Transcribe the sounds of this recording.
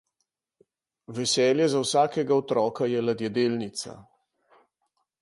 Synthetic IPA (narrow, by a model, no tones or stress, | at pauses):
ʋɛsɛːljɛzawsaːkɛɡaɔt̪ɾɔːkajɛlad̪jɛd̪eːlnit̪sa̰